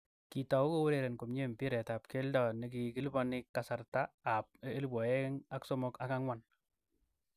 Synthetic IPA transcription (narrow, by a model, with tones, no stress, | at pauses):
ki˨tɔ˨u˦ko˦wu˦ɾe˨ɾe˨nko˨mɲe˦mpi˦ɾɛ˨ta˨p̚ke˦ldɔ˨ne˨k̬iki˦lbɔ˦nɪ˦kːasa˨rtaː˦˨p̚e˦lbwɔ˨je˦ŋa˦kso˦mɔ˦ka˦ka˦ŋwa˦n